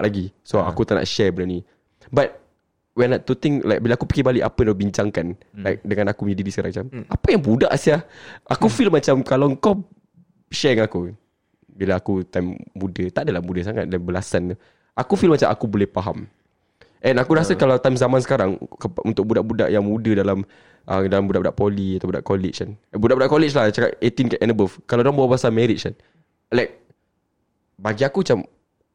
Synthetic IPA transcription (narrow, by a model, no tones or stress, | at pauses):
laɡisoa̰kut̪aʔnʔa̰ʔʃɛbənani | bat̚ | wɛnat̪ːut̪ɪŋla̰jk̚bilaakupi̥kibalɪʔapaaubiɲt͡ʃaŋkanlajk̚dəŋãnakuməɲadidiskaɾãŋmat͡ʃamapajaŋbudaʔsiahʔakufilmat͡ʃamkalawŋ̩kɔ | ʃɛɹiŋaku | bilaːkut̪amːudət̪aʔdalahmudəs̬aŋa̰t̪̚danbəlasan | ʔakufilmat͡ʃamʔa̰kubolɛhpaɦa̰m | ʔɛ̃nakuɾasakalawt̪ajmzamãnsə̥kaɾaŋkəpʔṵnt̪ʊk̚budaʔbudaʔjaŋmudədalam | ʔədalambudaʔbudaʔpɔliat̪awbuda̰ʔkɔlɪ̰t͡ʃkanbudaʔbudaʔkɔlɪt͡ʃlaht͡ʃaka̰t̪et̪inkaɛnəbəfkalawdaŋbawabaasamɛɾɪt̚kan | lak̚ | baɡiakumat͡ʃam